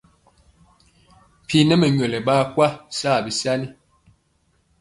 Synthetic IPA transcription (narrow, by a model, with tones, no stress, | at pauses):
pʰi˨nɛ˦mə˨ɲwɛ˨lɛ˨baː˦˨kwa˦saː˦˨bi˨sa˦ni˦